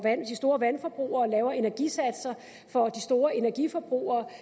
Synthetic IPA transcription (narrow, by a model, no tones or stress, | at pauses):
ʋæn̰d̥isd̥o̝ːɐʋænfɒ̽b̥ʁṵːɐːlɛːʊɐʔe̝næɐɡ̥ḭsæd̥sɐ | fɒ̽d̥isd̥o̝ːɐe̝næɐɡ̥ifɒ̽b̥ʁṵːɐː